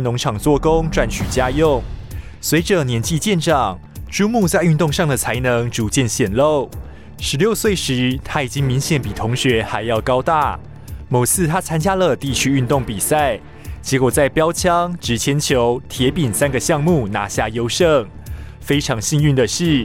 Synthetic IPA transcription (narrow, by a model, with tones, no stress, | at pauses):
nʊ˧˥ŋʈ͡ʂʰɑ˨˩ŋt͡swɔ˥˨˩kʊ˥ŋʈ͡ʂwa˥˩nt͡ɕʰy˨˩t͡ɕja˥jʊ˥˩ŋ | swe˧˥ɪʈ͡ʂə˨njɛ˧˥nt͡ɕi˥˧t͡ɕjɛ˥˧nʈ͡ʂɑ˨˩ŋ | ʈ͡ʂu˥mu˥˧t͡sa˥˧ɪy˥˧nt̪ʊ˥˧ŋʂɑ˥˩ŋd̪ə˨˩t͡sʰa˧˥ɪnɤ˧˦ŋʈ͡ʂu˧˥t͡ɕjɛ˥˧nɕjɛ˨˩nlo˥˨˩ʊ | ʂɻ̩˧˥ljo˥˧ʊswe˥˩ɪʂɻ̩˧˥t̪ʰa˦˥i˨˩t͡ɕi˦˥ŋmi˧˥ŋɕjɛ˨˩˦npi˨˩t̪ʰʊ˧˥ŋɕɥɛ˧˥xa˧˥ɪjɑ˥˩ʊkɑ˥ʊt̪a̰˥˩ | mo˨˩ʊsʰɹ̩˥˧t̪ʰa˥t͡sʰa˥nt͡ɕja˥lə˨t̪i˥˩t͡ɕʰy˥y˥˧nt̪ʊ˥˩ŋpi˨˩sa˥˩ɪ | t͡ɕjɛ˧˥kwɔ˨˩t͡sa˥˩ɪpjɑ˥ʊt͡ɕʰjɑ˥ŋʈ͡ʂɻ̩˧˥t͡ɕʰjɛ˧˥nt͡ɕʰjo˧˦˥ʊt̪ʰjɛ˧˥pi˨˩nsa˦nɡə˨ɕjɑ˥˧ŋmu˥˩na̰˧˥ɕja˥˩jo˥ʊʂɤ˥˩ŋ | fe˥ɪʈ͡ʂʰɑ˧˥ŋɕi˥˧ŋy˥˩nd̪ə˨ɕi˥˩